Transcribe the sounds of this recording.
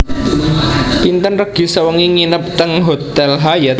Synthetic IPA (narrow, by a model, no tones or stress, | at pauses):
pint̪ənrəɡ̥i̤səwəŋiŋinəp̚t̪əŋɦot̪ɛlɦajat̪